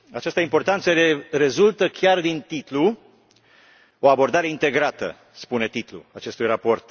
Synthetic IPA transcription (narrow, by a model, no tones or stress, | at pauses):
at͡ʃast̪əimport̪ant̪səere̞zult̪əkʲjard̪int̪it̪lu | o̞abo̞rd̪aɾe̞int̪e̞ɡɾat̪ə̰ | spune̞t̪it̪lṵat͡ʃe̞st̪ujrapo̞rt̪